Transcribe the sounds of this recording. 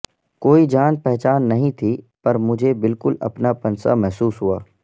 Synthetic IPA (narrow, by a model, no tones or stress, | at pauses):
koːid͡ʒaːnpɛɦt͡ʃaːnːɐɦĩt̪ʰi | pɐɾmʊd͡ʒʱebɪlkʊlɐ̰pnapɐnsa̰mɛɦsuːsɦʊa̰ː